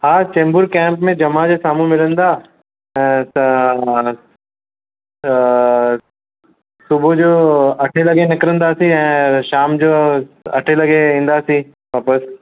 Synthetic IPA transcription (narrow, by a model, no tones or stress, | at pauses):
ɦaːt͡ɕẽːmbʊɾkɛ̃ːmpmẽd͡ʑɐmad͡ʑesaːmũmɪlə̃nd̪aː | ɛ̃ːt̪ɐ̃ | sʊbʱod͡ʑoːɐʈʰelɐɡenɪkɾə̃nd̪asĩɛ̃ːʃaːmd͡ʑoːɐʈʰelɐɡeĩːn̆d̪asĩ | ʋaːpəs